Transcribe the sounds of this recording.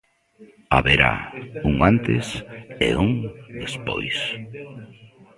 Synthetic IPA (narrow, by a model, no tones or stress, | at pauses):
aβeɾa̰uŋant̪esḛuŋd̪espo̰js